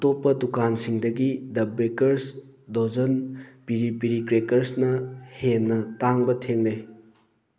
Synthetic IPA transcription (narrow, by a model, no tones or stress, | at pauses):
topːɐdukansiŋdɐɡidɐbekɐɾs | dozɐnpiɾipiɾikɾekɐɾsnɐhenːɐtaŋbɐtʰeŋle